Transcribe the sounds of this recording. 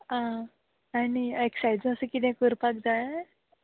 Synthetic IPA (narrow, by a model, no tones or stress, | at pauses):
ã | anieksajd͡z̃əsəkit̪̬ɛ̃kuɾpak̚d͡zaj